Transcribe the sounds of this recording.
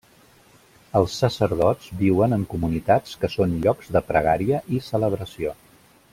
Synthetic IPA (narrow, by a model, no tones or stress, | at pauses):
əlˠsːəsəɾðɔzbiwənəŋkumunit̪at͡skəsonʎɔkz̥ðəpɾəɣ̞aɾiəʔisələβ̞ɾəsio